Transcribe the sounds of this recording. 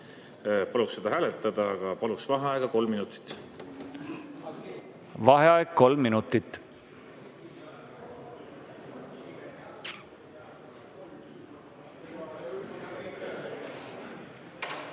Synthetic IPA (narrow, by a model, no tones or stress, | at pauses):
pɑluksːed̪ɑɦæːlet̪ːˑɑd̪̥ɑɡ̥ɑpɑluksvɑɦɑeɡ̥ɑko̞lmːinut̪ˑi̥t̪ːˑ | vɑɦeɑeɡ̚kːo̞lmːinut̪ːit̪ːˑ